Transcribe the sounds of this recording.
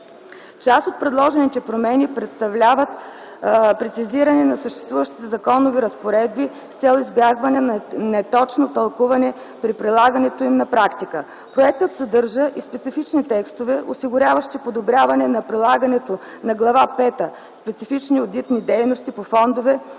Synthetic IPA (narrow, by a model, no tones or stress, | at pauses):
t͡ʃast̪ot̪̚pɾɛd̪lˠɔʒɛnit̪ɛpɾomɛnipɾɛt̪st̪ɐvlʲavət̪ | pɾɛt̪siziɾənɛnɐsəʃt̪ɛ̥st̪vuvəʃt̪i̥t̪ɛzɐkɔnoviɾəspoɾɛd̪̚bi | st̪sɛlˠizbjaɡvɐnɛnnɛt̪ɔt͡ʃnot̪ɐlˠkuvɐnɛ | pɾipɾilˠaɡɐnɛt̪oimnɐpɾakt̪ikə | pɾoɛk̚t̪ət̪sɐd̪ɤɾʒəʔispɛt̪sifit͡ʃnit̪ɛkst̪ovɛʔosiɡʊɾʲavəʃt̪ipod̪obɾʲavɐnɛnɐpɾilˠaɡɐnɛt̪o | nɐɡlˠɐvapɛt̪ə | spɛt̪sifit͡ʃniod̪it̪nid̪ɛjnost̪ipofɔnd̪ovɛ